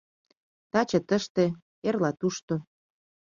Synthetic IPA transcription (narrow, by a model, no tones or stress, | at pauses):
t̪ɑt͡ɕə̆t̪əʃt̪e | erlɑt̪uʃt̪o